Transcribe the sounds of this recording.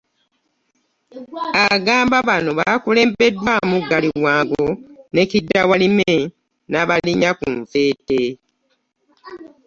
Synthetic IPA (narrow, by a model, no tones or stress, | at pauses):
aɡaːmbaβano̞βaːkule̞ːmbe̞dːwamuɡːaliwaːŋɡone̞cidːawalime | naβaliɲakṵɱve̞ːte